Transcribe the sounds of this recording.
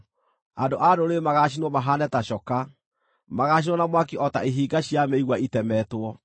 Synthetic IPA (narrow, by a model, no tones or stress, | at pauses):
andoʔadoɾemaɣaɕ̬inwɔmaɦanɛtaɕɔka | maɣaɕ̬inɔnamwakiʔɔtaiɦiːɡaɕiameiɣwaitɛmɛːtwɔ